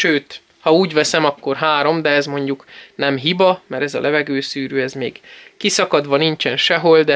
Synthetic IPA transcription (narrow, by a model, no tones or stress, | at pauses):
ʃøːt̪ | hɒuːɟʋɛsɛmɒkːo̞rɦaːɾo̞md̪ɛɛzmo̞ɲɟuknɛmɦibɒmɛɾɛzɒ̰lʔɛvɛɡøːsyːɾyːɛzmeːɡkisɒkɒd̪ʋɒnint͡ʃɛnʃɛɦo̞ld̪ɛ